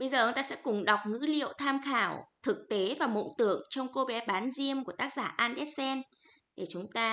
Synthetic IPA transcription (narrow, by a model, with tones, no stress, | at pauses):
ɓə˧jzəː˨˩t͡ɕŋ͡mt̪aː˧sɛ̰˧˥kʊ˨˩ŋ͡mɗa˨˩wk͡p̚ŋɨ̰˧˥lḭ˧˨əwt̪ʰaː˧mxaː˧˩wt̪ʰɨ˨˩k̚t̪e˨˦vaː˨˩mo̰˧˨t̪ɨ˧˩əŋt͡ɕɔ˧wŋ͡mko˧ɓɛ˨˦ɓaː˨˦nzi˧əmku˧˩ət̪aː˦˥k̚zaː˧˩ʔaː˧nɗɛ˦˥t̚sɛ˧n | ɗe˧˩t͡ɕʊ˨˦ŋ͡mt̪aː˧